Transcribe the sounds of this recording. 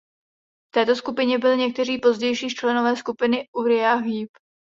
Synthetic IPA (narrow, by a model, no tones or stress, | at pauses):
ft̪ɛːt̪oskupɪɲɛbɪlɪɲɛk̚t̪ɛr̝iːpo̞zɟɛjʃiːt͡ʃlɛno̞vɛːskupɪnɪʔuɾɪaɦiːp